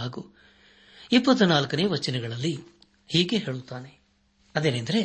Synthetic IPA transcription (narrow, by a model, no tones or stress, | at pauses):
aːɡu | ipːɐt̪ːunaːlkɐneːʋɐt͡ʃːinɛɡɐɭɐlːi | hiːɡe̞ɦe̞ːɭut̪ːaːne̞ | ɐd̪e̞ːnend̪ɐɾe̞